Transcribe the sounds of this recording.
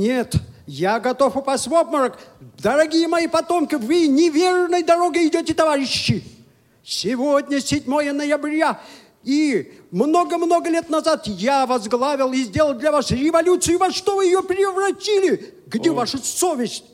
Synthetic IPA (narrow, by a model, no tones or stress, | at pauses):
nʲet̪jaɡɐt̪o̞fʊpasʲtʲvopməɾəkd̪əɾɐɡʲijəmɐjipɐt̪o̞mkɪvɨnʲɪvʲernəjd̪ɐɾo̞ɡəɪdʲotʲɪt̪ɐvaɾʲɪɕːɪ | sʲɪvodʲnʲəsʲɪdʲmojənəjɐbɾʲja | imnoɡəmno̞ɡəlʲet̪nɐzat̪javazɡlˠavʲɪlˠɪzʲdʲe̞lˠəlˠd̪lʲɐvasɾʲɪvɐlʲut̪sɨjʊvɐʂt̪ovɨjɪjopʲɾʲɪvrɐtʲilʲɪ | ɡdʲevaʂʊsovʲɪsʲtʲ